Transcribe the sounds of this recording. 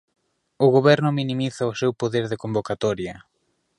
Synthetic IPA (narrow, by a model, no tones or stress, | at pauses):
ʊɣoβɛɾnʊminimiθɐʊsewpoðeɾðekombokat̪ɔɾjɐ